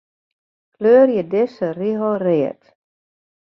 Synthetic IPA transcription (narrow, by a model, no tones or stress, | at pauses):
kløːrjədɪsəriɦorɪət